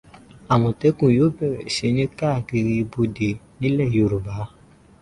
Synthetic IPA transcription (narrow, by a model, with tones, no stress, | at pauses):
a˨w̃ɔ̃˨te˨˦kũ˦˨joː˨˦bɛ˦˨ɾɛ˨ʃe˨˦nĩ˦ka˦˨ki˧ɾi˧bo˧de˨nĩ˨˦lɛ˦˨jo˨ɾu˨ba˨˦